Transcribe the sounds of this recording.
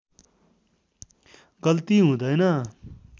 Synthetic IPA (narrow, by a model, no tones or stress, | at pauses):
ɡʌlt̪iɦũːd̪ʌjnʌ